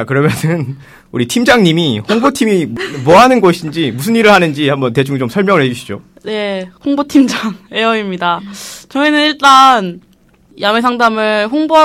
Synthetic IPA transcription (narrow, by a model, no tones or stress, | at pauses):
t͡ɕakɯɾʌmjʌnɯn | uɾitʰimd͡ʑaŋɲimihoŋbotʰimimʌɦanɯnɡʌɕʰidnd͡ʑimusʰɯniɾɯɭhanɯnd͡ʑihambʌnte̞d͡ʑuŋt͡ɕomsʰʌɭmjʌŋɯɭhe̞d͡ʑuɕʰi̥d͡ʑo | ne̞ɸoŋbotʰimd͡ʑaŋe̞ʌimɲidat͡ɕʌŋenɯniɭt͈an | jamesʰaŋdamɯɭɸoŋboɦa